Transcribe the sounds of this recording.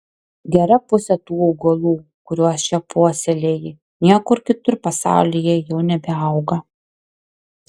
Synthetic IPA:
ɡʲɛɾɐpʊsʲɛt̪uːɔʊɡɐlˠuːkʊɾʲuɔst͡ʃʲɛpʰoɔsʲɛlʲeːjɪ | nʲiɛkʊɾkʲɪt̪ʊɾpɐsɑ̰ˑʊlʲɪjɛjɛʊnʲɛbʲɛɐˑʊɡɐ

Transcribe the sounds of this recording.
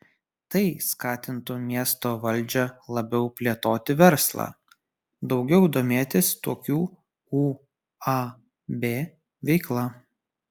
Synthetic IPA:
t̪ɐɪskɑːt̪ʲɪnt̪ʊmʲiɛst̪oːʋɐlʲˑd͡ʒʲɛlˠɐbʲɛʊpʲlʲeɛt̪oːt̪ʲɪʋʲɛɾslˠɑ̰ː | d̪ɒʊɡʲɛʊd̪oːmʲeːt̪ʲɪst̪oːkʲuː | uː | ɐ | bʲeː | ʋʲɛɪklˠɐ

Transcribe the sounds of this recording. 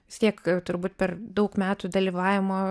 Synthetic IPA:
ʋʲɪst̪ʲiɛkjɛʊt̪ʊɾbuːt̪pʲɛrd̪ɐʊkmʲæːt̪ud̪ɐlʲiːʋɑːʋʲɪmoː

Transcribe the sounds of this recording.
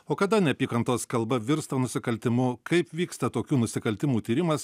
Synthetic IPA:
oːkɐd̪ɐnʲɛpʲiːkɐnt̪oːskɐlˠbɐʋʲɪɾst̪ɐnʊsʲɪkɐlʲt̪ʲɪmʊkɐɪpʋʲiːkst̪ɐt̪oːkʲuːnʊsʲɪkɐlʲt̪ʲɪmuːt̪ʲiːɾʲɪmɐs

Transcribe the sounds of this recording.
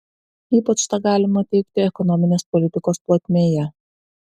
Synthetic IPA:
iːpɐt͡ʃt̪ɐɡɑːlʲɪmɐt̪ʲɛɪk̚t̪ʲɪɛkɔnɔmʲɪnʲeːspɔlʲɪt̪ʲɪkoːsplˠoːt̪ʲmʲeːjɛ

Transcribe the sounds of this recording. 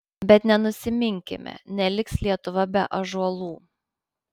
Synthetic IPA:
bʲɛt̪nʲɛnʊsʲɪmʲɪŋʲkʲɪ̰mʲɛ̰nʲɛlʲɪkslʲiɛt̪ʊʋɐbʲɛʔɐʒuɐlˠuː

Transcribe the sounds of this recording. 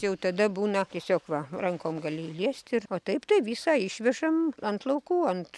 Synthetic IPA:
jɛʊt̪ɐd̪ɐbuːnɐt̪ʲiɛsʲoːkʋɐrɐŋkoːmɡɐlʲɪilʲiɛsʲt̪ʲɪroːt̪ɐɪpt̪ɐɪʋʲiːsɑːɪʃʲʋʲɛʒɐmɐnt̪lˠɐʊkuːɐnt̪

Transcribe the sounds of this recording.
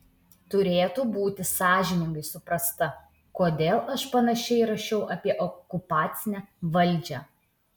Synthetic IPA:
t̪ʊɾʲeːt̪uːbuːt̪ʲɪsɑːʒʲɪnʲɪŋɡɐɪsʊpɾɐst̪ɐ | koːd̪ʲeːlˠʔɐʃpɐnɐʃʲɛɪɾɐʃʲɛʊʔɐpʲiɛʔɔkʊpɑːt̪sʲɪnʲæʋɐlʲˑd͡ʒʲæ̰ː

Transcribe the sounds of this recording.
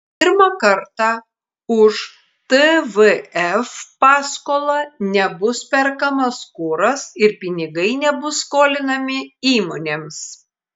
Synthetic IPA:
pʲɪɾmɑkɐɾt̪ɑ | ʊʃ | t̪əʋəɛfpɑːskoːlˠɐnʲɛbʊspʲɛɾkɐmɐskuːɾɐsɪɾpʲɪnʲɪɡɐɪnʲɛbʊsːkoːlʲɪnɐmʲɪiːmoːnʲems

